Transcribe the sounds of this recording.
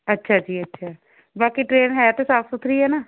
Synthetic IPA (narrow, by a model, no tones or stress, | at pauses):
ətːʃʰaːd͡ʒiːətːʃʰaː | baːkiʈɾeːnɦɛat̪eːsaːpʰsʊt̪ʰːɾiːɛːnaː